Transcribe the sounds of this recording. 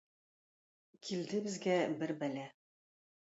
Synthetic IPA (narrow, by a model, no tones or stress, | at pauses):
kʰild̪ɘbɘ̆zɡæbɘɾbælæ